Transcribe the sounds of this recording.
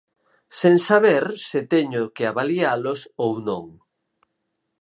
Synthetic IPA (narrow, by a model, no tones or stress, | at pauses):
sẽŋsaβeɾsɪt̪ɛɲʊkeaβalialʊsownõ̰ŋ